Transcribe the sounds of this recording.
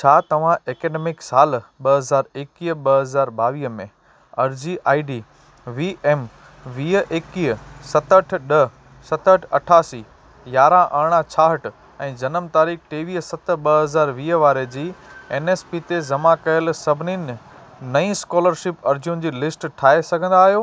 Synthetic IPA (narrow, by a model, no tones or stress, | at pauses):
t͡ɕʰaːt̪ɐʋ̤ãʔeːkeːɖeːmɪksaːlɓɐɦɐzaːɾeːkiːɦɓɐɦɐzaːɾbaːʋiːɦəmẽ | ɐɾd͡ʑiʔaːiɖiː | ʋiːʔeːm | ʋiːɦəʔeːkiːɦəsɐt̪əʈ̆ʰɗɐ | sɐt̪əʈʰɐʈʰaːsiː | jaːɾãʔɐːɽ̃ãt͡ɕʰaːɦəʈ | ɛ̃ːd͡ʑɐnəmt̪aːɾiːkʰʈeːʋiːɦəsɐt̪ɓɐɦɐzaːɾʋiːəʋaːɾed͡ʑiːeːneːspit̪ezɐmãkɐjəlsɐbʱɪnin | nɐĩskɔːləɾʃɪpɐɾd͡ʑun̆d͡ʑiːlɪsʈʈʰaːesɐɡʱə̃nd̪aːɦijoː